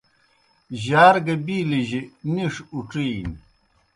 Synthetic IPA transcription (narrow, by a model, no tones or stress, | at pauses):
ʑaːɾɡɐbiːliʑiniʂuʈ͡ʂiːn